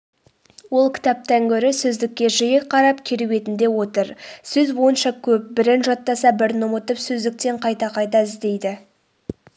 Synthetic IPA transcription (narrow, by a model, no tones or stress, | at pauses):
wo̞lˠkʲɪ̥t̪ɑp̚t̪ɑŋkʲʰɵɾɪsɵzd̪ɪkʲːe̞ʒɪjeqʰɑɾɑp̚kʲʰeɾuwe̞t̪ɪnd̪e̞wo̞t̪əɾsɵzbo̞jənʃɑkʲʰɵp̚bɪɾɪnʒɑt̪ːɑsɑbɪɾnʊmət̪əpsɵzd̪ɪk̚t̪e̞ɴqʰɑjt̪ɑqʰɑjt̪ɑɪzd̪e̞jd̪ɪ